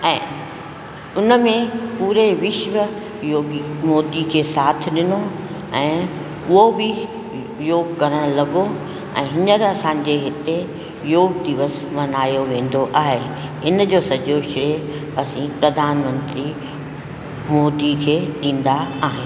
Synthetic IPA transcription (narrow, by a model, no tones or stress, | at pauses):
ɛ̃ː | ʊnəmẽpuːɾeʋɪʃʋə | joːɡmoːd̪ikʰeːsaːt̪ʰɪɗɪno | ɛ̃ː | ʊɦobɪ | joːɡkɐɾəɽ̃lɐɡo | ɛ̰̃ːɦɪnəɾɐsãːɲ̆d͡ʑeɦɪt̪e | joːɡ̚d̪ɪʋəsmɐnaːjoʋẽːn̆d̪oʔaːɦe | ɪnd͡ʑoːsɐd͡ʑoʃɪɾe | ɐsĩpɾɐd̪ʱaːnmə̃nt̪ɾi | moːd̪ikʰeːɗĩːn̆d̪aaːɦɪnː